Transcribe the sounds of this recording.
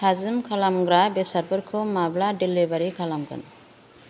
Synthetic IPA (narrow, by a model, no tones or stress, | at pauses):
azɨmkʰalamɡɾabesaɾbəɾkʰomablaɖilːibaɾikʰalamɡə̰n